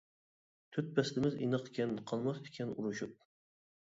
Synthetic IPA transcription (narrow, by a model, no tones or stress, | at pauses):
t̪ʰyt̪̚bɛslɪmɪzḭnəqkʲʰɛnqʰɑlˠmɑsd̪ɪkʲʰɛnuɾuʃup̚